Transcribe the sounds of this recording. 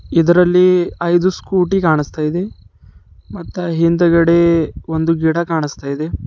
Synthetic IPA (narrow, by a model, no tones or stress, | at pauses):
id̪ɐɾɐlːiɐjd̪uskuːʈikaːɳist̪aːjid̪e | mɐt̪ːɐɦind̪ɐɡɐɽeond̪uɡiɽɐkaːɳist̪aːjid̪e